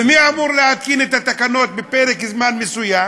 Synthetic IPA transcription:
miaʕmuːɾˤlɪat̪̚kiːnɪt̪at̪ːakanːoːt̪̚bɪpeːɾɪkɪzmaːnmɪsʊja

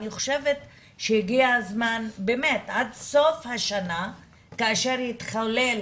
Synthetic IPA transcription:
niχo̥ʃe̞vet̪ | ʃejiɡiazmanbemetʔad̪so̞fhaʃana | kaːʃeʁjit̪χalel

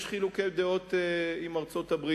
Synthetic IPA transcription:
ʃχilukejd̪eo̞t̪eimaʁt͡so̞t̪abʁi

